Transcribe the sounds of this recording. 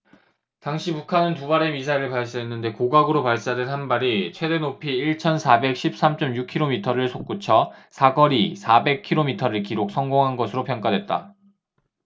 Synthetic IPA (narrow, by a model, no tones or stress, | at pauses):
taŋɕʰipukʰanɯntubaɾe̞misʰaiɾɯɭpaɭs̬͈eenːɯnde̞koɡaɡɯɾopaɭs͈eaadenɦanbaɾit͡ɕʰwe̞de̞nopʰiːɭt͡ɕʰʌnsʰabe̞k̚ɕʰip̚s͈amt͡ɕ͈ʌmjukʰiɾomitʰʌɾɯɭsʰok̚k͈ut͡ɕʰʌsʰaɡʌɾisʰabe̞kʰiɾomitʰʌɾɯɭkiɾok̚s͈ʰʌŋɡoŋɦanɡʌsʰɯɾopʰjʌŋk͈adwe̞t̚t͈a̰